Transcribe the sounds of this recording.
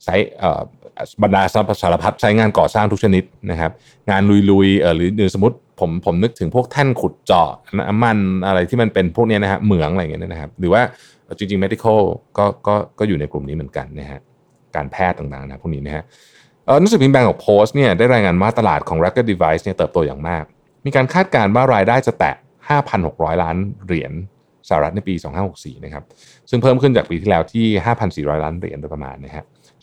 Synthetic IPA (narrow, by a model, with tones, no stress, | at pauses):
t͡ɕʰa˦˥jʔə̰ː˨˩˨ba˧ndaː˧sa˦˧˩saː˨˦la˧pʰa˦˥t̪̚t͡ɕʰa˦˥jŋaː˧nkɔː˨˩saː˥˩ŋt̪ʰu˥t͡ɕʰa˧ni˦˥t̪̚na˦˥kʰa˦˥p̚ | ŋaː˧nlu˧jlu˧jʔəː˨˩ɾɯː˩˦nɯː˨˩so˩˦u˦˥t̪̚pʰo˩˦mpʰo˩˦mnɯ˦˥k̚t̪ʰɯ˩˦ŋpʰu˥˩ək̚t̪ʰa˥˩nkʰu˨˩t̪̚t͡ɕɔ̰˨˩˧na˦˥ʔa̰˧mːa˧˩nʔa˧ɾa˧jt̪ʰiː˥˩ma˧npe˧npʰu˥˩k̚ni˦˥˨na˦˥kʰa̰˦˥mɯ˩˦əŋʔjŋi˦˥ni˦˥na˦kʰa˦˥p̚ɾɯː˩˦waː˥˩ | ʔɤː˨˩t͡ɕi˧ŋt͡ɕi˧ŋme˦˥d̪i˧kʰə˥˩wkɔː˥˩kɔː˥˩kɔː˥˩juː˨˩na˧jklu˨˩mniː˦˥mɯ˩˦ənka̰˧nːa˦˥kʰa˦˥ʔ | ka̰ː˧npʰɛː˥˩t̪ːaː˨˩ŋt̪aː˨˩ŋn˧˦˩a˦pʰːniː˦˥na˦˥˩ha˦˥ | ʔəː˨˩ɾu˥ŋsɯ˨˩pʰi˧nbɛː˧ŋkʰɔː˩˦ŋpʰoː˦˥st̪̚ni˥˩ɐdaː˥˩jɾaː˧jŋaː˧nwaː˥˩t̪a˧laː˨˩t̪̚kʰɔː˩˦ŋɾa˦˥ka˧˥˩di˧va˦˥jsni˥˩ɐt̪ɤː˨˩p̚t̪u˧ja̰˨˩ŋmaː˥˩k̚ | miː˧kaː˧nkʰaː˥˩t̪̚kaː˧nwaː˥˩ɾaː˧jdaː˥˩jt͡ɕa˨˩t̪ɛ̰˨˩ | haː˥˩pʰa˧nho˨˩k̚ɾɔː˦˥jlaː˦˥nɾi˨˩˦ən | saː˧˨˩ɾa˦˥t̪̚na˥˩jpiː˧sɔː˩˦ŋhaː˥˩ho˨˩k̚sḭː˨˩n˦˥kʰa˦˥p̚ | sɯ˥˩ŋpʰɤː˥˩mkʰɯ˥˩nt͡ɕaː˨˩k̚piː˧t̪ʰiː˥˩lɛː˦˥wt̪ʰiː˥˩ɦaː˥˩pʰa˧nsiː˨˩ɾɔ̰ː˦˥jlaː˦˥nɾḭ˩˦nba˧jpɾa˧ma̰ː˧nːa˦˥kʰa˦˥ʔ